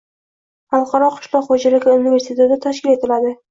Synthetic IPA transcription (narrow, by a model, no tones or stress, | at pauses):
χɑlˠqʰɑɾɒqʰʊ̥ʃlˠɒqχod͡ʒalɪɡʲɪʊnʊnɪveɾsit̪ʰed̪ɪt̪ʰaʃkʲɪle̞t̪ʰɪlad̪ɪ